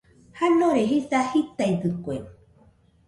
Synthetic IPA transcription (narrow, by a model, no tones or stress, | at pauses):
hanõɾeɦisahit̪aid̪ɨkoen